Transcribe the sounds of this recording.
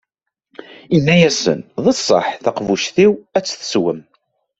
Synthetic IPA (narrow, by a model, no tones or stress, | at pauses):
inːæjæsə̰nðˤəsˤːə̰ħθɑqvuʃθiwæt͡sːθə̥swəm